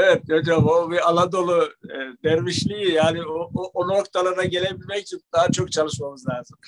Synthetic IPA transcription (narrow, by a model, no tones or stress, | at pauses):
evɛt̪̚jad͡ʒabobialˠad̪o̞lˠud̪ɛɾmiʃlʲijijaːniooʔono̞kt̪ʰalˠaɾaɟe̞lʲebilʲmɛc̚t͡ʃʰid̪aɦat͡ʃʰo̞k̚t͡ʃʰalˠɯʃmamɯzlʲaːzɯm